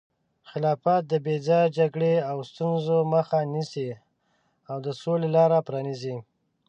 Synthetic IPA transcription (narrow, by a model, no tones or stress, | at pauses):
xɪlɑfat̪̚d̪əbed͡zɑjd͡ʒaɡɽeawst̪unzoməxanisi | awd̪əsolelɑɾapɾɑnizi